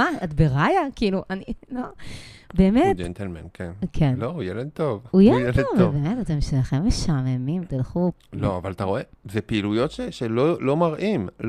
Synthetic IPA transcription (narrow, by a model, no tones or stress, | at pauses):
maatbeʁajakiiluʔanilobeːmetd͡ʒent̪elmenkʰenkʰenloujeled̪̚t̪ovujejeledavalbemetat̪emʃelaχemːeʃamemimt̪ilχuloavalat̪aʁo̞ezepeilujotʃeʃelolo̞maʁʔiml